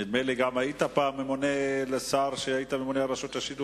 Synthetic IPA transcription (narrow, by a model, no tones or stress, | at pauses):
imejleɡamhajit̪apaːmːemonelesaɾʃeait̪amemoneaɾaʃot̪jaʃid̪u